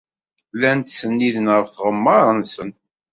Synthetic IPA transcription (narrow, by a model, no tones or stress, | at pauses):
lænt̪sənːiðənʁəfθʁəmːɑɾˤənsən